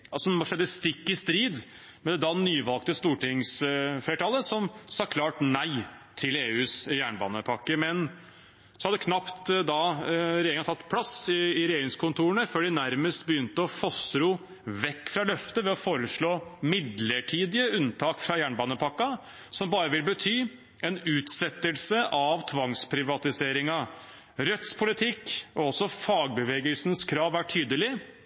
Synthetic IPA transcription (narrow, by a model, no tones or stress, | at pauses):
ɑlsɔʂɛd̪ːəst̪ɪkːɪst̪ɾiːd̪ | mɛd̪ɛd̪ɑnyːʋɑlk̚t̪əst̪uːʈɪŋsfleːʈʰɑlːəsɔmsɑːkʰlɑːʈnæɪ | t̪ʰɪleːʉːsjæːɳbɑ̰ːnəpʰɑkːəmɛn | sɔhɑd̪ːəkʰnɑpt̪d̪ɑɾɛjeːɾɪŋɑt̪ʰɑt̪ːpʰlɑsɪːɾɛjeːɾɪŋskʰʊnt̪ʰuːɾəɳəføːɖɪnæɾməst̪bəjʏnt̪əɔfɔsɾʊ | ʋɛkːfɾɑlœft̪əʋɛɔfoːɾəʂɭoːmɪd̪ləʈʰiːd̪ɪəʉnt̪ʰɑːkfɾɑjæːɳbɑːnəpʰɑkːɑ | sɔmbɑːɾəʋɪlbət̪ʰyː | ɛnʉːt̪sɛt̪ːəlsəʔɑʋt̪ʰʋɑŋspʰɾɪʋɑt̪ɪseːɾɪŋɑ | ɾœt̪spʰʊlɪt̪ʰɪkːɔɔsːɔfɑːɡ̚bəʋeːɡəlsən̩skʰɾɑːʋæʈʰyːd̪əlɪ